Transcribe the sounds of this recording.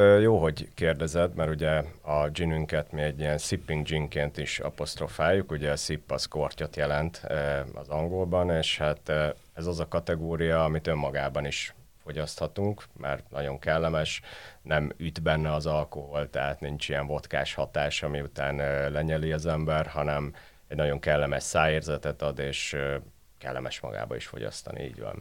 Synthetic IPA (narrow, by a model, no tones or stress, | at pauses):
joːɦo̞ɟkeːrd̪ɛzɛd̪mɛɾuɟɛɒd͡ʒinyŋkɛt̪miɛɟːijɛnsipːiŋɡd͡ʒiŋkeːnt̪iʃɒ̰po̞st̪ro̞faːjːukuɟɛɒsipːɒsko̞rcot̪jɛlɛnt̪ːɒ̰zɒŋɡo̞lbɒneːʃhat̪ | ɛzɒzɒkɒt̪ɛɡoːɾijɒɒmit̪ø̞mːɒɡaːbɒniʃ | fo̞ɟɒst̪hɒt̪uŋkmʔa̰ːrnɒɟo̞ŋkɛlːɛmɛʃnɛmyt̪bɛnːɛɒzɒlko̞ɦo̞lt̪ɛɦat̪niɲt͡ʃiɛɱvo̞t̪ka̰ːʃhɒt̪aːʃɒmiut̪aːnlɛɲɛliɒzɛmbɛrhɒnɛm | ɛɟnɒɟo̞ŋkɛlːɛmɛʃsaːjeːrzɛt̪ɛt̪ɒd̪eːʃ | kɛ̰lːɛmɛʃmɒ̰ɡa̰ːbɒ̰ḭʃfo̞̰ɟɒ̰st̪ɒ̰nḭḭːɟvɒ̰n